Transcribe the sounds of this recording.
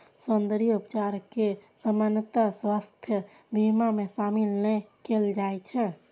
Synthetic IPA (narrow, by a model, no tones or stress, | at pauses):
sond̪əɾijupt͡ʃaɾkesəmanət̪aswast̪ʰjə | bʱimamesamilnəkeld͡ʒajt͡ʃʰɛ